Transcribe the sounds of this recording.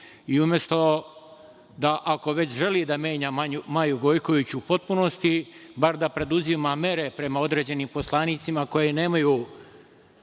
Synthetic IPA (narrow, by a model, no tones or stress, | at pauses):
iumje̞st̪o̞ | d̪aʔako̞ʋe̞t͡ɕʒe̞lid̪amje̞ːɲamaumajuɡo̞jko̞ʋit͡ɕupo̞t̪̚puno̞st̪ibaɾd̪apɾe̞d̪uzimamje̞ɾe̞pɾe̞mao̞d̪ɾe̞ːd͡ʑe̞niːmpo̞slˠaniːt̪simako̞jene̞ːmajuː